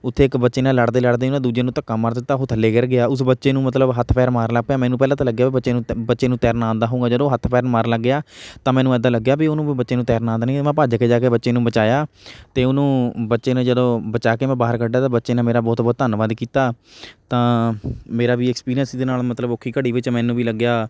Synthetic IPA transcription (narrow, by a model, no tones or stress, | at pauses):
ʊt̪ʰːeːɪkbətːʃeːnaːlːəɽd̪eːləɽd̪eːnãːd̪uːd͡ʒeːnũːt̪əkːaːmːaːɾd̪ɪt̪ːaːɦʊt̪ʰəlːeːɡəɾɡɪaːʊsbətːʃeːnũːmət̪̬ləbɦət̪ʰpʰɛːɾmaːɾləɡ̚pjaːmɛ̃ːnũːpɛːlãːt̪ãːləɡːjaːbibətːʃeːnũːbətːʃeːnũːt̪ɛːɾnãːnd̪aːɦõːŋɡaːd͡ʒəd̪õːɦət̪ʰːpʰɛːɾmaːɾləɡːɪaːt̪ãːmɛ̃ːnũːɛːd̪aːləɡːjaːbiʊnũːbətːʃeːnũːt̪ɛːɾnãːnd̪aːnĩːmɛ̃ːpaːd͡ʒkeːd͡ʒaːkeːbətːʃeːnũːbət͡ʃaːjaː | t̪eːʊnũːbətːʃeːnẽːd͡ʒəd̪õːbət͡ʃaːkeːmɛ̃ːbaːɦəɾkəɖːaːt̪ãːbətːʃeːnãːmeːɾaːbɔːt̪bɔːt̪ːənʋaːd̪kiːt̪aːt̪ãːmeːɾaːʋiːɛkspiːɾijənsiːd̪eːnaːlmət̪ləbokʰːiːkəɽiːʋɪt͡ʃmɛ̃ːnũːbiːləɡjaː